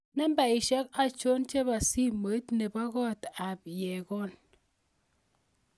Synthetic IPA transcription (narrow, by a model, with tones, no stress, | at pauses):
nɛ˦mba˨i˨ʃɛ˦ka˦t͡ʃo˦nt͡ʃe˦ba˨si˦me˨˦tne˨ba˦ɡɔ˦ta˨pjɛ˨kɔ˦n